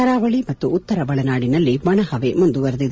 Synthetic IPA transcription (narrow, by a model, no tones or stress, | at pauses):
ɐɾaːʋɐɭimɐt̪ːuːt̪ːɐɾɐbɐɭɐnaːɽinɐlːiʋɐɳɐhɐʋemund̪uʋɐɾɐd̪id̪ɐ